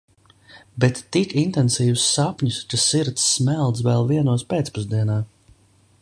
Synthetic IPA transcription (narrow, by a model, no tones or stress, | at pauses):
bɛt̪ːikint̪ɛnsiːwusːapɲuskasiɾt̪sːmɛlˠt̪s̬vɛlˠviɛnuɔspeːt̪spuzd̪iɛnaː